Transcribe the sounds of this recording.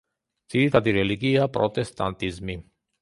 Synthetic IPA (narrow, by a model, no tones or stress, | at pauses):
t͡sit̪ad̪iɾeliɡiapɾot̪est̪a̰nt̪izmi